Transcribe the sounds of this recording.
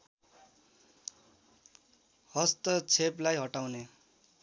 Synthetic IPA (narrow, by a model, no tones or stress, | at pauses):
hʌst̪ʌt͡sʰeplajɦʌʈawne